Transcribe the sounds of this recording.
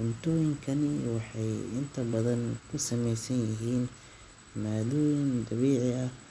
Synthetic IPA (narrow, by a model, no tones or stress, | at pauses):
ʕʊnt̪ʰɔːjɪŋkʰɐnɪwɑħɑjɪnt̪ʰɐbɐðɐnkʰʊsɐmɛjsɐnjɪɦiːn | maːðɔːjɪnd̪ɐβiːʕɪɐ